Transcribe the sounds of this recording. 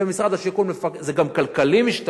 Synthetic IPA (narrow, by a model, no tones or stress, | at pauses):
emisʁad̪aʃikulmefakzeɡamkalkalimiʃt̪